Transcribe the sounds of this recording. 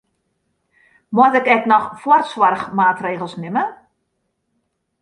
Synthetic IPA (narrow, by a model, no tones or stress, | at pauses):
mwɔtɛkɛknɔxfwɔrtswarxmaːtreːɣəlˠsnɪmə